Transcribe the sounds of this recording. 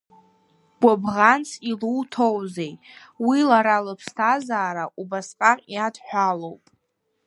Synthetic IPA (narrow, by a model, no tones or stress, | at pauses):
ɡ̥ʷabʁant͡sʰiluwtʰowzejwilaɾalɨpʰstʰazaːɾaʔubasqʼaqʼjadʰħᶣʷalowpʼ